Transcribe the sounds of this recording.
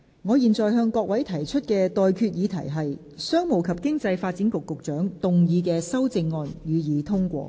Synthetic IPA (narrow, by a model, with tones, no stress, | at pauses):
ŋɔː˨˧jiː˨˩nt͡sɔː˨jɦœː˧ŋkɔː˧k̚wɐ˨˥jt̪ʰɐ˨˩jt͡ʃʰɵ˥t̚kɛː˧t̪ɔː˨jkʰyː˧t̚jiː˨˧t̪ʰɐ˨˩jɦɐ˨j | sœː˥ŋmo˨˩wkʰɐ˨p̚kɪ˥ŋt͡sɐ˧jfaː˧t̚t͡si˨˥nkʊ˨kːʊ˨k̚t͡ʃœː˨˥ŋt̪ʊ˨ŋjiː˨˧k̬ɛː˧sɐ˥wt͡sɪ˧ŋːɔː˨˧njyː˨˧jiː˨˥t̪ʰʊ˥ŋkʷɔ̰ː˧